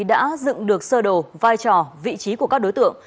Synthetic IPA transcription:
ɗa̰ː˧˥zɨ̰˧˨ŋɗɨ˨˩ək̚səː˧ɗo˨˩vaː˧jt͡ɕɔ˨˩vḭ˧˨t͡ɕi˨˦ku˧˩kaː˦˥k̚ɗo˨˦jt̪ɨ̰˧˨əŋ

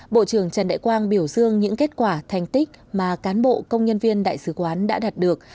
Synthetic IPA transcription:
ɓo̰˧˨t͡ɕɨ˧˩əŋt͡ɕə˨˩nɗa̰ː˧˨kwaː˧ŋɓi˧˩əwzɨ˧əŋɲɨ̰˧˥ŋke˦˥t̚kwaː˧˩t̪ʰɛ˨˩jŋ̟t̪ï˦˥k̟̚maː˨˩kaː˨˦nɓo̰˧˨kə˧wŋ͡mɲə˧nvi˧ənɗa̰ː˧˨jsɨ˨˦kwaː˨˦nɗa̰ː˧˥ɗaː˨˩t̚ɗɨ˨˩ək̚

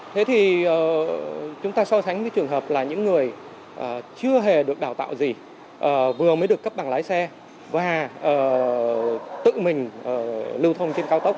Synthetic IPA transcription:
t̪ʰe˨˦t̪ʰi˨˩ʔəː˨˩t͡ɕʊ˨˦ŋ͡mt̪aː˧sɔ˧sa˨˦jŋvəː˨˦jt͡ɕɨ˨˩əŋɦəː˨˩p̚laː˨˩ɲɨ̰˧˥ŋːɨ˨˩əj | ʔəː˨˩t͡ɕɨ˧əɦe˨˩ɗɨ˨˩ək̚ɗaː˧˩wt̪a̰ː˧˨wzi˨˩ | ʔəː˨˩vɨ˨˩əməː˨˦jɗɨ˨˩əkːə˦˥p̚ɓa˨˩ŋlaː˨˦jsɛ˧ | vaː˨˩ʔəː˨˩ | t̪ɨ̰˧˨mï˨˩ŋ̟ʔəː˨˩lɨ˧wt̪ʰə˧wŋ͡mt͡ɕe˧nkaː˧wt̪ə˦˥k͡p̚

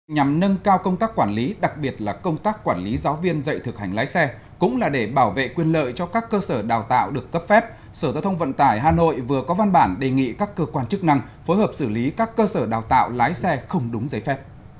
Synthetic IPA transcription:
ɲa˨˩mnə˧nkaː˧wkə˧wŋ͡mt̪aː˦˥kːwaː˧˩nli˨˦ɗa˨˩k̚ɓi˨˩ət̚laː˨˩kə˧wŋ͡mt̪aː˦˥kːwaː˧˩nli˨˦zaː˨˦wvi˧ənzə̰˧˨jt̪ʰɨ˨˩k̚ha˨˩ŋ̟laː˨˦jsɛ˧ | kʊ̰˧˥ŋ͡mlaː˨˩ɗe˧˩ɓaː˧˩wvḛ˧˨kwi˨˩ənlə̰ː˧˨jt͡ɕɔ˧kaː˦˥kːəː˧səː˧˩ɗaː˨˩wt̪a̰ː˧˨wɗɨ˨˩əkːə˦˥p̚fɛ˦˥p̚ | səː˧˩aː˨˩t̪ʰə˧wŋ͡mvə̰˧˨nt̪aː˧˩jɦaː˨˩no̰˧˨jvɨ˨˩əkɔ˨˦va˧nɓaː˧˩nɗe˨˩ŋḭ˧˨kaː˦˥kːəː˧kwaː˧nt͡ɕɨ˦˥k̚na˧ŋ | fo˨˦jhəː˨˩p̚sɨ˧˩li˨˦kaː˦˥kːəː˧səː˧˩ɗaː˨˩wt̪a̰ː˧˨wlaː˨˦jsɛ˧xə˧wŋ͡mɗʊ˨˦ŋ͡mzəː˨˦jfɛ˦˥p̚

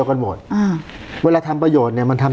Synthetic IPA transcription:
ka˧nmo˨˩t̪̚ʔaː˧˩ | weː˧laː˧t̪ʰa˧mpɾa˧joː˨˩t̪̚ni˧˩ma˧nt̪ʰa˧m

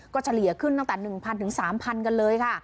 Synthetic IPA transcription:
kɔː˥˩t͡ɕʰa˧li˩˦ɐkʰɯ˥˩nt̪a˥˩ŋt̪ɛ˨˩nɯ˨˩ŋpʰa˧nt̪ʰɯ˨˩˦ŋsaː˩˦mpʰa˧nka˧nlɤː˧jkʰa˥˩

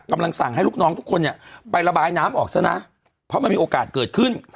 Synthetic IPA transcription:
ka˧mla˧ŋsa˨˩ŋha˥˩jlu˥˩k̚nɔː˦˥ŋt̪ʰu˦˥kʰːo˧nːi˦˥˩əpa˧jɾa˧baː˧jnaː˦˥mʔɔː˨˩k̚sa˧˩na̰˧˥ | pʰɔ˦˥ma˧nmiː˧ʔːkaː˨˩t̪̚kɤː˨˩t̪̚kʰɯ˥˩n

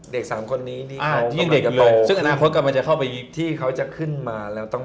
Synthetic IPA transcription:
de˨˩k̚saː˩˦mkʰo˧nːiː˦˥t̪ʰiː˥˩ʔaː˧a˦˥˩de˨˩klɤː˧jsɯ˥˩ŋʔnaː˧kʰo˦˥ka˨˩pma˧nt͡ɕa˨˩kʰa˥˩wpa˧jt̪ʰiː˥˩kʰa˦˥wt͡ɕa˨˩kʰɯ˥˩nmaː˧lɛː˦˥wt̪ɔ˥˩ŋ

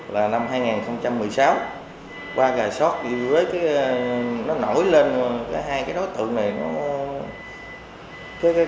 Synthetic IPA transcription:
laː˨˩na˧mɦaː˧jŋaː˨˩nxə˧wŋ͡mt͡ɕa˧mːɨ˨˩əjsaː˨˦w | kwaː˧ɣaː˨˩jsɔ˦˥t̚i˧˩vɨ˨ə˨˦jkaː˨˦jnɔ˨˦no˧˩jle˧n˧kaː˨˦jɦaː˧jkaː˨˦jɗo˨˦jt̪ɨ̰˧˨ŋna˨˩jnɔ˨˦ | kaː˨˦jkː

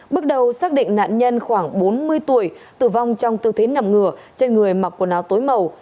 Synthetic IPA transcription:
ɓɨ˦˥ək̚ɗə˨˩wsaː˦˥k̚ɗḭ̈˧˨ŋ̟na̰ː˧˨nɲə˧nxwaː˧˩ŋɓo˨˦nmɨ˧əjt̪u˧˩əj | t̪ɨ˧˩va˧wŋ͡mt͡ɕɔ˧wŋ͡mt̪ɨ̰˧˩t̪ʰe˨˦na˨˩mŋɨ˨˧˩ə | t͡ɕe˧nŋɨ˨˩əjma˨˩k̚kːu˧˩ənaː˨˦wt̪o˨˦jmə˨˩w

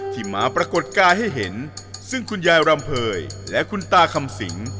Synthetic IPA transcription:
t̪ʰiː˧˩ma̰ː˩˦˥pɾa˧ko˨˩t̪̚kaː˧jɦa˥˩jɦe˩˦nsɯ˥˩ŋkʰu˧njaː˧jɾa˧mpʰɤː˧jlɛ˦˥ʔkʰu˧nt̪aː˧kʰa˧msḭ˩˦ŋ

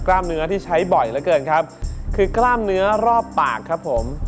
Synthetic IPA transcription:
klaː˥˩mnɯ˦˥ɐt̪ʰiː˥˩t͡ɕʰa˦˥jbɔ˨˩jlɛ˦˥kɤː˧nkʰa˦˥p̚kʰɯː˧klaː˥˩mnɯ˦˥ɐɾɔː˥˩p̚t̪aː˨˩kʰːa˦˥pʰːo˩˦m

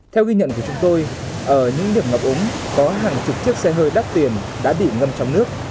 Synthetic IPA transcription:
t̪ʰɛ˧wɣi˧ɲə̰˧˨nku˧˩ət͡ɕʊ˨˦ŋ͡mt̪o˧j | ʔəː˧˩ɲɨ̰˧˥ŋɗi˨˩əmŋə˨˩p̚ʔʊ˨˦ŋ͡m | kɔ˨˦ɦaː˨˩ŋt͡ɕʊ˨˩p̚t͡ɕi˦˥ək̚sɛ˧ɦəː˧jɗa˦˥p̚t̪i˨˩ən | ɗa̰ː˧˥ɓḭ˧˩˨ŋə˧mt͡ɕɔ˧wŋ͡mnɨ˦˥ək̚

